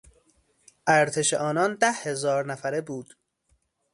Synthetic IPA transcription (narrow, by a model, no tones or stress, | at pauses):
ʔæɾt̪ʰeʃeʔɒːnɒːnd̪æhhe̞zɒːɾnæfæɾebuːd̪̥